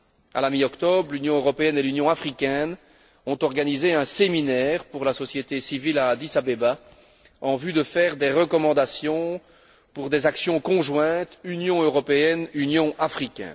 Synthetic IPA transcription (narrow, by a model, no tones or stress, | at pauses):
a̰lamiɔkt̪ɔbʁlynjɔ̃øʁɔpeɛnelynjɔ̃afχikʲɛn | ɔ̃t̪ɔʁɡanizeɛ̃seminɛʁpuʁlasɔsjet̪esivilad̪isabeba | ɑ̃vyd̪əfɛːʁd̪eʁəkɔmɑ̃d̪asjɔ̃ | puʁd̪ezaksjɔ̃kɔ̃ʒwɛ̃t̪ynjɔ̃øʁɔpeɛnynjɔ̃ʔafχikʲɛ̰n